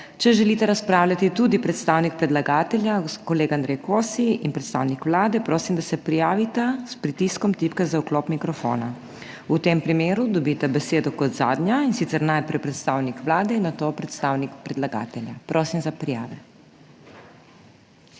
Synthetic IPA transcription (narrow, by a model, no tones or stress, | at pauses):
t͡ʃɛʒɛliːt̪ɛɾaspɾaːwlʲat̪it̪ud̪ipɾɛt̪st̪aːwnik̚pɾɛd̪laɡaːt̪ɛljakɔleːɡand̪ɾɛjkoːsiinpɾɛt̪st̪a̰ːwnikʋlaːd̪ɛpɾoːsimd̪asɛpɾijaːʋit̪aspɾit̪iskɔmt̪ipkazauklopmikɾɔfo̰ːna | ut̪eːmpɾimeːɾud̪ɔbit̪ɛbɛseːd̪ɔkɔt̪zaːd̪nʲjainsit̪sɛɾnajpɾɛjpɾɛt̪st̪aːwnikʋlaːd̪ɛinːat̪oːpɾɛt̪st̪aːwnikpɾɛd̪laɡa̰ːt̪ɛlʲjapɾoːsimzapɾijaːʋɛ